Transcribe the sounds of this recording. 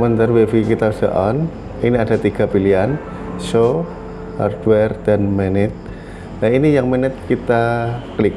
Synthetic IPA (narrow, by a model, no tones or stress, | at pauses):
mənt̪ərwefikit̪asəʔɔn | iniada̤t̪iɡ̥a̤pilian | so | ha̰rdwɛrd̥anmɛnɪt̪̚ | lainijaŋmɛnɪt̪̚kit̪aklik̚